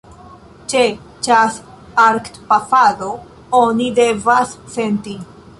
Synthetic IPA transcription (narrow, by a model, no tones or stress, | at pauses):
t͡ʃe | t͡ʃas | aɾkt̪pafado | onid̪evasːent̪i